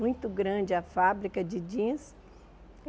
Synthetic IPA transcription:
ũj̃t̪ʊɡɾɐ̃d͡ʒɪɐfabɾikɐd͡ʒɪd͡ʒĩs

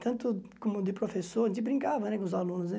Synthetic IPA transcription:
t̪ɐ̃t̪ʊkõmʊd̪ɪpɾofesoɾɐʒẽt͡ʃ̪ɪbɾĩŋkavɐ̃nɛkõʊzalũnʊz̬nɛ

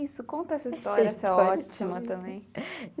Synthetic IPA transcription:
isʊkõnt̪ɐɛsɐisɔɾiɐsɛɔt͡ʃimɐt̪ɐ̃mbẽj̃

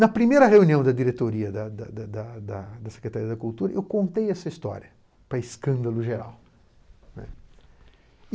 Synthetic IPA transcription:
nɐpɾimejɾɐheuniɐ̃w̃d̪ɐd͡ʒ̪iɾet̪oɾiɐd̪ɐd̪ɐd̪ɐd̪ɐd̪ɐd̪ɐse̥kɾet̪aɾiɐd̪ɐkult̪uɾɐʔewkõnt̪ejɛsɐist̪ɔ̰ɾiɐ | pɾɐɪskɐ̃nd̪ɐlʊʒeɾa̰w | nɛ̰

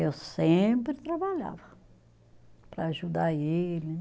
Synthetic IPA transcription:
ewsẽmpɾɪt̪ɾabaʎa̰vɐ | pɾɐːʒud̪aelɪ

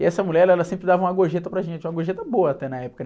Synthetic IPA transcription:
ɪɛsɐmulɛɾɛlɐsẽmpɾɪd̪avɐũmɐɡoʒet̪ɐpɾɐʒẽnt͡ʃɪũɐɡoʒet̪ɐboɐːt̪ɛnɐɛpʊ̥kɐ

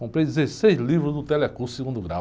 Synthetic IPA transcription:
kõmpɾejd̪ɪzesejzlivɾʊzd̪ʊt̪ɛlɛkusiɡũnd̪ʊɡɾa̰

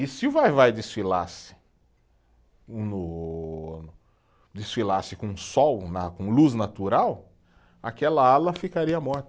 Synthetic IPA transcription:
ɪsɪʊvajvajd̪isfilasɪ̥ | nʊ | d͡ʒ̪isfilasɪkõũsɔwnakõluznat̪uɾaw | akɛlɐalɐfikaɾiɐmɔɾt̪ɐ

